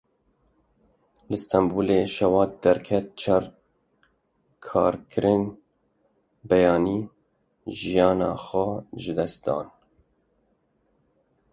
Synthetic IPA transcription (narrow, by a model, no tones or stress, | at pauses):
lɨst̪ɛmbuːleːʃɛwɑːt̪̚d̪̥ɛɾkʰɛt̪̚t͡ʃʰɑɾ | kʰɑːɾkʰɨɾɪn | bɛjɑːniː | ʒijɑːnɑ̰ːxʷɛʒɨd̪ɛst̪̚d̪ɑ̰ːn